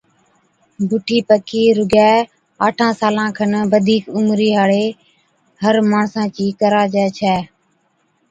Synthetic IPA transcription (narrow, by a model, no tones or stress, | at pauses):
bʱʊʈʰiːpəkiːɾʊɡɛː | aːʈʰãːsaːlãːkʰənʋəd̪ʱiːkʊmɾiːɦaːɽeː | həɾmaːɳsãːt͡ʃiːkəɾaːd͡ʒɛːt͡ʃʰɛː